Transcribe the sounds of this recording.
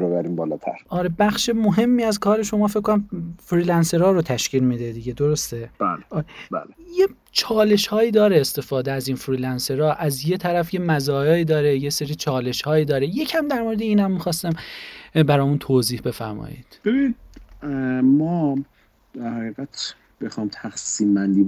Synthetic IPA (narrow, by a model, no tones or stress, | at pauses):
bebæɾiːmbɒːlɒːt̪ʰæ̰ɾʔɒːɾe̞bæxʃemoɦe̞mːiːæzkʰɒːɾe̞ʃo̞mɒːfekʰːonæmfɾiːlænse̞ɾɒːɾot̪ʰæʃciːlmid̪ed̪iɟe̞d̪oɾost̪e̞b̥æ̰ːleɒːɾebæ̰ːleje | t͡ʃʰɒːle̞ʃhɒːiːd̪ɒːɾeːst̪e̞fɒːd̪eæziːnfɾiːlænse̞ɾɒːʔæzje̞t̪ʰæɾæfje̞mæzɒːjɒːiːd̪ɒːɾejeseɾiːt͡ʃʰɒːle̞ʃhɒːiːd̪ɒːɾe̞je̞cʰæmd̪æɾmoɾed̪eiːnhæmːixɒːst̪æmbæɾɒːmunt̪ʰoːziːhbe̞fæ̰ɾmɒ̰ːjḭːd̪̥b̥ebinid̪̚ | mɒː | d̪̥æɾhæɣiːɣæt̪ | b̥exɒjmt̪ʰæxsiːmːænd̪iː